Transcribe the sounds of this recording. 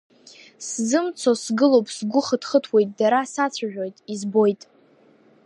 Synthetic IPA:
szɨmt͡sʰosɡɨlo̞wpʼsɡʷʊχədχətʰwe̞jtʼdaɾasat͡sʷʰaʒᶣo̞jtʼizbo̞jtʼ

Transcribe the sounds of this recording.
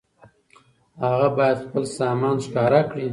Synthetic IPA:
haɣabɑjad̪xpəlsɑmɑnʃkɑɾakɽi

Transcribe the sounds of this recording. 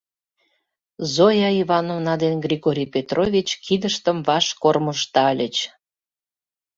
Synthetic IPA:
zojɑiβɑnovnɑd̪enɡrʲiɣoɾʲijpʲet̪rʔovʲit͡ɕkʰid̪əʃt̪əmvɑʃkorməʃt̪ɑlʲət͡ɕ

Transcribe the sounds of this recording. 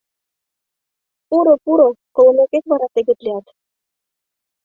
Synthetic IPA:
uɾŏpuɾokŏlˠŏmekekβɑɾɑt̪ĕɣĕt̪liɑt̪

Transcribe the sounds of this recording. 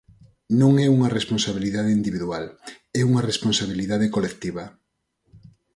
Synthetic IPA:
nõŋɛuŋɐresponsaβiliðaðeind̪iβiðwal | ɛuŋɐresponsaβiliðaðekolek̚t̪iβɐ

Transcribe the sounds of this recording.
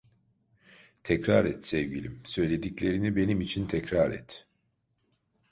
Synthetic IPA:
t̪ʰɛcɾaɾɛt̪sɛvɟilʲimsø̞jlʲe̞d̪iclʲe̞ɾinibe̞nimit͡ʃʰint̪ʰɛcɾaɾɛ̰t̪

